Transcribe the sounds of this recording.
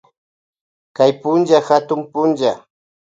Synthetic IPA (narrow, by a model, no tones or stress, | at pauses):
kajpʊnd͡ʒaxat̪ʊmpʊnd͡ʒa